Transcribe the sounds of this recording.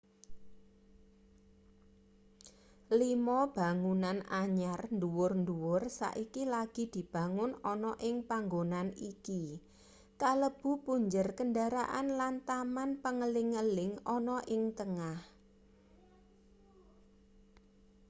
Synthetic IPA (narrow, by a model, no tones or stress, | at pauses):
limɔb̥a̤ŋunanaɲarnd̪uwʊrnduwʊrsa̰ʔikilaɡ̥i̤d̪̥i̤b̥ä̤ŋʊnɔnɔʔɪŋpaŋɡonaniki | kaləb̥ṳpuɲd͡ʒərkəndaɾa̰ʔanlant̪amanpəŋəlɪŋəlɪŋɔnɔʔɪŋt̪əŋah